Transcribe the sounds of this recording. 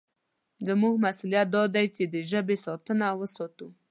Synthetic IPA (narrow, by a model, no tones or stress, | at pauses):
zəmuɡmasulijat̪̚d̪ɑd̪ajt͡ʃed̪əʒəbesɑt̪ənawəsɔt̪u